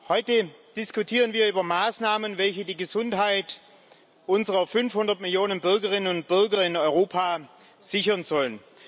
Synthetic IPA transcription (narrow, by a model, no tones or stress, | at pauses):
hɔʏtəd̥ɪskʊtʰiːʁ̞ənviːɐyːbɐmaːsnaːmənvɛlçədiːɡəzʊnthaɪt | ʔʊnzəʁɐfʏnfhʊndɐtmɪljoːnənbʏɐɡəʁɪnənʊnt̚b̥ʏɐɡɐɪnɔʏʁoːpʰa | z̥ɪçɐnzɔlən